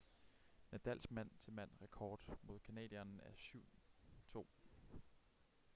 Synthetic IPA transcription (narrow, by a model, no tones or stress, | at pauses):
næd̥æl̰sɡ̥mæn̰t͡sʰe̝lmæn̰ʁɛkʰɒːd̥mo̝ð̰ˠkʰænɛ̰ːd̥ˠiɐnæɐsyʊ̰t͡sʰo̝̰ː